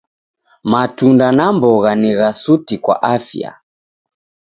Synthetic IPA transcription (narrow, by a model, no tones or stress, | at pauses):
matundanambɔɣaniɣasutikwa̰ʔafja̰